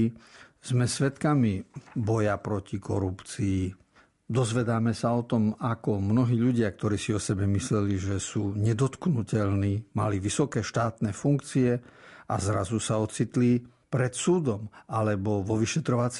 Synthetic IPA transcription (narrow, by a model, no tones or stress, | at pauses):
z̥mɛsʋɛt̪kamibɔjapɾɔcikɔ̰ɾupt͡siː | d̪ɔzʋɛd̪aːmɛsaɔt̪ɔmakɔmnɔɦiːʎuɟɪakt̪ɔɾiːsiɔsɛbɛmislɛliʒɛsuːɲɛd̪ɔt̪knucɛʎniːma̰liʋisɔkɛːʃt̪aːt̪nɛːfuŋkt͡siɛʔa̰zɾa̰zusaɔt͡sit̪li | pɾɛt̪suːd̪ɔmʔalɛbɔʋɔʋiʃɛt̪ɾɔʋat͡s